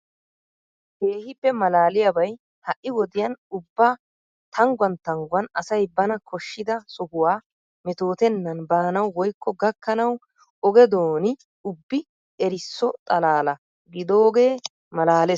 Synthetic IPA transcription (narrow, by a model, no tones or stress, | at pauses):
keːhɪpːɛmɐlaːlɪjabɐj | hɐʔːɪwɔd̪ɪjɐnʊbːa | t̪ʰɐŋɡwɐnt̪ɐŋɡʊwɐnɐsɐjbɐnɐkʰɔʃːɪd̪ɐsʊhʊwaː | mɛt̪o̞ːt̪ɛnːɐnbaːnɐwːɔjkːɔɡɐkːɐnɐw | ɔɡɛd̪oːnɪ | ʊbːɪ | ɛɾɪsːɔt̪ʼɐlaːlɐ | ɡɪd̪oːɡe̞ː | mɐlaːlɛ